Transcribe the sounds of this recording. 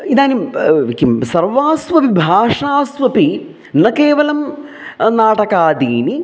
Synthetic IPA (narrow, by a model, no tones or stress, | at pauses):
id̪aːnimikːimsɐrʋaːsʋɐpibʱaːʂaːsʋɐpi | nɐkeːʋɐlɐm | naːʈɐkaːd̪iːni